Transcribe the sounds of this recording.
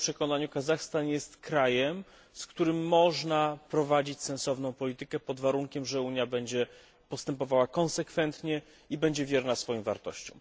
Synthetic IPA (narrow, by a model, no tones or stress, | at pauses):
pʂɛkɔnaɲukazaxst̪anjɛst̪kɾajɛm | skt̪uɾɘmːɔʐnapɾɔvad͡ʑit͡ɕsɛ̃nsɔvn̪ɔ̃w̃pɔlʲit̪ɘkɛpɔd̪vaɾuŋkʲɛmʐɛuɲjabɛɲd͡ʑɛ | pɔst̪ɛmpɔvawakɔ̃nsɛkfɛnt̪ɲɛ | ibɛɲd͡ʑɛvʲjɛɾnasfɔjiwva̰ɾt̪ɔ̰ɕt͡ɕɔ̰̃w̃